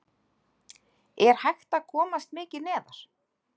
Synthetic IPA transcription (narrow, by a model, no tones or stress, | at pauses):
ɛɾ̥hajxt̪aðkʰɔːmast̪mɪːcɪnɛːðaɾ̥